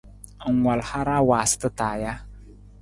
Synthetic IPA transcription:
ŋʷa˨lha˦ɾa˦waː˨sɨ̥˦tɨ˦taː˨ja˦

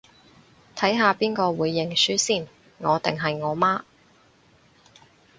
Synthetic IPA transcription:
t̪ʰɐ˨˥jɦaː˨˧piː˥nkɔː˧wuː˨˧jːɪ˨˩ŋsyː˥siː˥˩n | ŋɔː˨˧t̪ɪ˨ŋɦɐ˨jŋɔː˨˧maː˥

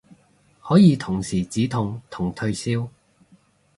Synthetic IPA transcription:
hɔː˨˥jiː˨˧t̪ʰʊ˨˩ŋsiː˨˩t͡siː˨˥t̪ʰʊ˨˩ŋt̪ʰʊ˨˩ŋt̪ʰɵ˧ɥsiː˥w

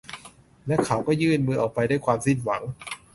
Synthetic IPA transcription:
lɛ˦˥kʰa˨˦˥wkɔː˥˩jɯː˥˩nmɯː˧˩ʔaː˨˩k̚pa˧jdaː˥˩jkʰwaː˧msi˥˩nwa˩˦ŋ

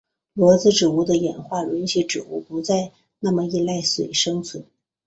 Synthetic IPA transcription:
lwɔ˧˥t͡sɹ̩˧ʈ͡ʂɻ̩˨˩u˥˩d̪ə˧jɛ˨˩nxwa˥˩ɻə˧˥nɕɛ˧˥ʈ͡ʂɻ̩˨˩ṵ˥˩pu˧˥t͡sa˥˧ɪ | na˥˩mə˩i˥˧la˥˩ɪswe˨˩ɪʂɤ˥ŋt͡sʰwə˧˥n

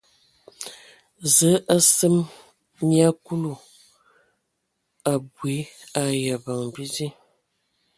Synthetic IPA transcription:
zə˨˦ʔa˦sə˦m | mja˦ku˦lu˨ | a˨bwi˨˦a˨ja˨ba˨ŋbi˦di˦

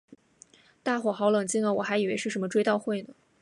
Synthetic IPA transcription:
t̪a˥˩xwɔ˨˩xɑ˧˥lɤ˨˩ŋt͡ɕi˥ŋə˨˩wɔ˨˩xa˧˥ɪi˨˩we˧˥ɪʂɻ̩˥˩ʂə˧˥nmə˧ʈ͡ʂwe˥ɪt̪ɑ˥˧ʊxwe˥˩ɪnə˩

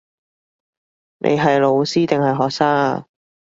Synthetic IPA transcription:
nʔḛ˨˧jɦɐ˨jlo˨˧wsiː˥t̪ɪ˨ŋhɐ˨jɦɔː˨k̚saː˥ŋ

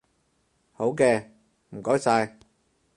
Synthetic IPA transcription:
ho˨˥wkɛː˧ | m̩˨˩kɔː˨˥jsaː˧j

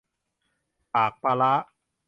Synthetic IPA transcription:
paː˨˩k̚pa˧la˦˥ʔ

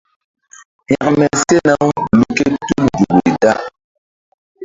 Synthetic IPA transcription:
pja˨k̚mɛ˨se˦na˦wlu˨ke˦tu˦ldu˨ɡu˨da˦ʔ

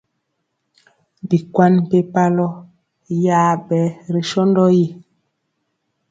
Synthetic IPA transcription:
bi˨kwa˦n˨pe˦pa˦lɔ˦ | jaː˦bɛ˨˦ɾe˨ʃɔ˦ndɔ˦ji˦˨

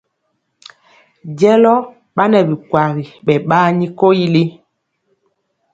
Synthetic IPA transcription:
ɟɛ˦lɔ˦ | ɓa˦nɛ˨bi˨kwa˨ɣi˨ɓɛ˨ɓaː˦ɲi˦ko˦ji˦li˦

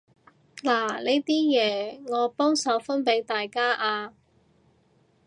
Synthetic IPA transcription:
laː˨˩le˨˥˧t̪iː˥jɛː˨˧ŋɔː˨˧pɔː˥ŋsɐ˨˧wfɐ˥npe˨˥jt̪aː˨jkaː˥ʔaː˧

